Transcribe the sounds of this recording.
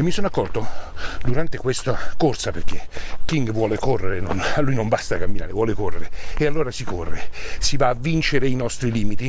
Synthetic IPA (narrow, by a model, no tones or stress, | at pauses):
emːisonoakːɔrt̪od̪uɾant̪ekwest̪akorsaperk̟ekːiŋɡvwɔːlekorːeɾeno̰nlːujnombast̪akamːina̰ːɾevwɔːlekorːeɾeealːoːɾasikorːesivaːvːint͡ʃeɾeinɔst̪ɾiliːmit̪i